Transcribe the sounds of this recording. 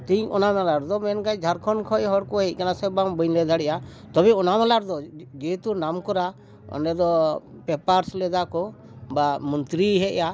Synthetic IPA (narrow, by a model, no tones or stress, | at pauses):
t̪iɲɔnamalaɾd̪ɔmɛnkajd͡ʒʱaɾkʰɔnkʰɔʔɦɔɽkɔɦɛc̪̚ˀkanasɛbambəɲlɛd̪ʱaɽɛʔa | t̪ɔbɛɔnamɛlaɾd̪ɔd͡ʒet̪unamkɔɾa | ɔ̰nɛd̪ɔ | pɛpaɾslɛd̪akɔ | bamɔnt̪ɾiɦɛʔja